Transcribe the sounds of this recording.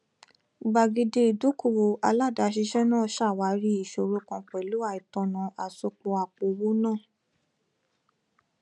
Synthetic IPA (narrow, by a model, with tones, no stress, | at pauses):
ɡ͡ba˧ɡi˧de˧˦i˨du˨˦ku˦˨wo˨˧ʔa˧la˦˨da˨˧˦ʃ̬i˧ʃɛ˦nãː˦˨ʃa˦˨wa˨˦ɾi˦i˦˨ʃo˨ɾo˧˦kɔ̃˧k͡pɛ˨lu˨˦a˧˨i˨tɔ̃˧nã˨˧ʔa˨so˧k͡po˧a˨k͡po˨wo˦nãː˦˨